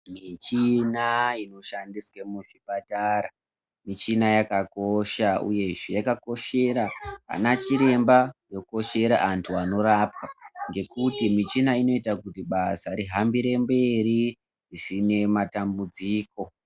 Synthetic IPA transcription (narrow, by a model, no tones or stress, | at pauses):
mit͡ʃinaino̞ʃandiswamuʂipataɾa | mit͡ʃinajakakoʃaṵje̞ʐejakako̞ʃe̞ɾaa̰nat͡ʃiɾe̞mbajo̞ko̞ʃe̞ɾa̰ʔantʰuano̞ɾaːpwaŋɡe̞kutimit͡ʃinaino̞itakutiɓasaɾiɦambiɾe̞mbe̞ri | risine̞matambud͡ziːko̞